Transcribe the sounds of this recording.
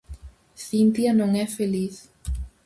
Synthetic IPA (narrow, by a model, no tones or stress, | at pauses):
θint̪janõŋɛfeliθ